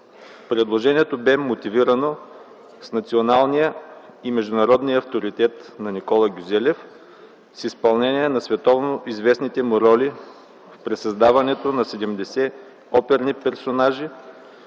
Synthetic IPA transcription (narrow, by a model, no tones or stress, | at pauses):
pɾɛd̪lˠoʒɛniɛt̪obɛmot̪iviɾɐno | snɐt̪sionalˠnijəimɛʒd̪ʊnɐɾɔd̪nijəɐft̪oɾit̪ɛt̪nɐnikɔlˠɐɡʲuzɛlʲɛf | sispɐlˠnɛniɛnɐsvɛt̪ɔvnoʔizvɛsnit̪ɛmuɾɔli | fpɾɛsɐzd̪avɐnɛt̪onɐsɛd̪ɛmd̪ɛsɛ | ɔpɛɾnipɛɾsonaʒi